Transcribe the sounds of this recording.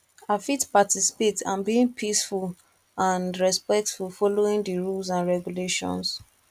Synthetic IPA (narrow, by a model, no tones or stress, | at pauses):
afitpatisi̥petʰã̰nbiĩŋpʰisful | ãnɹɛspɛk̚tfulfɔloĩŋdiɹulsãnɹɛɡuleʃɔ̰̃ns